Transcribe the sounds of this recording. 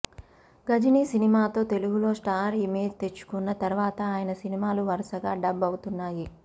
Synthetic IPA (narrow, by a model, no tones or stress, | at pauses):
ɡɐd͡ʒiniːsinimaːt̪o̞ːt̪e̞luɡulo̞ːsʈaːɾime̞ːd͡ʒt̪e̞t͡ʃːu̥kunːɐt̪ɐɾuʋaːt̪ɐaːjɐnɐsinimaːluʋɐɾɐsɐɡaːɖɐbːɐwut̪unːaːji